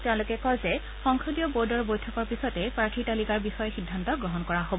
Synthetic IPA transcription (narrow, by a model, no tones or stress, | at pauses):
tɛ̃lʊkɛkɔjzɛ | xɔŋkʰɹudijɔboɹdɔɹbojtʰɔkɔɹpisɔtɛpɹaɹtʰitalikaɹbixɔjɔxidʱːantɔɡɹɔɦɔnkɔɹaɦobɔ